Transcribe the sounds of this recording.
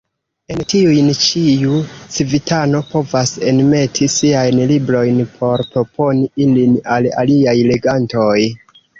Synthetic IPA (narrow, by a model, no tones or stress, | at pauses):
e̞ntiujnt͡ʃiut͡sivitʰano̞po̞vasenme̞tʰisiajnlibɾo̞jnpʰo̞ɾpɾo̞po̞niilinala̰liajle̞ɡanto̞j